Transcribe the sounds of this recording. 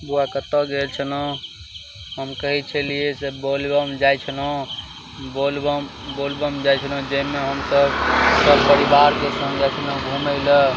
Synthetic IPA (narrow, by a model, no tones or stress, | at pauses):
buakət̪əɡelt͡ʃʰənɔ | ɦəmkəɦɛt͡ʃʰəliesebolbəmd͡ʒajt͡ʃʰənɔ̃ | bolb | bolbəmd͡ʒajt͡ʃʰənə̃d͡ʒəmeɦəmsəbsəbpəɾibaɾkesə̃ŋɡɛt͡ʃʰənə̃ɡʱuməɪlə